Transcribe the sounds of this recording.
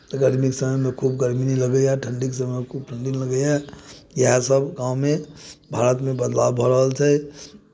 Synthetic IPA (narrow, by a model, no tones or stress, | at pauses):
t̪ɡəɾmiksəməjmẽkʰub̚ɡəɾminiləɡɛjaʈʰə̃ɳɖiksəməmekʰub̚ʈʰə̃ɳɖinləɡɛjajəɦãsəbɡãːũmẽbʱaɾət̪mẽbəd̪labbʱɔɾəɦəlt͡ʃʰɛ